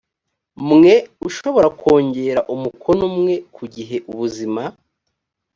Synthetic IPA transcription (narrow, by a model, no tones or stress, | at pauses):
mŋe̞uʃo̞βo̞ɾakʰo̞ːɲɟe̞ɾaʔumukʰo̞nomŋe̞kʰuɟiɦe̞ʔuβuzima